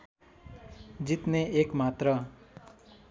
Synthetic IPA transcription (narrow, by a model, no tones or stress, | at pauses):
d͡ʒit̪neekmat̪ɾʌ